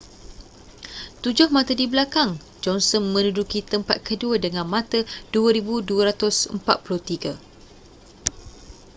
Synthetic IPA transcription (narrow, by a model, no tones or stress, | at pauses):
t̪ud͡ʒʊhmãt̪adibəlakaŋ | d͡ʒɔnsɔnmə̃nudukit̪əmpat̪̚kʰəduadəŋãnmãt̪əduaɾibuduaɾat̪ʊsə̰mpa̰t̪̚puluht̪iɡa